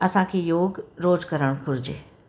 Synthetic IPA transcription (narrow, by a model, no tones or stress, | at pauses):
ɐsãkʰeːjoːɡɾoːzkəɾəɽ̃kʰʊɾɪd͡ʑḛː